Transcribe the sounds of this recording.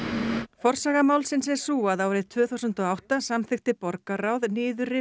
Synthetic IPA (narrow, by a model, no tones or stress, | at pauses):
fɔr̥saɣamaːwlsɪnsɛɾ̥suːaðawɛɾɪt̪ʰvʏːθuwsʏnt̪ɔawht̪asamθɪxt̪ɪpɔɾkaɾawðnɪːðʏɾɪ